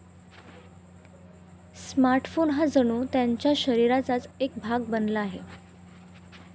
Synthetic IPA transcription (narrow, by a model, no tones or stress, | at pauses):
smaɾʈfonɦad͡zəɽ̃uːt̪jaɲt͡ɕjaɕəɾiɾat͡sat͡sek̚bʱaɡ̚bənlaːɦḛ